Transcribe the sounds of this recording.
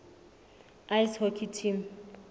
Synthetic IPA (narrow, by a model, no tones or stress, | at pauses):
ajshɔkʰitʰim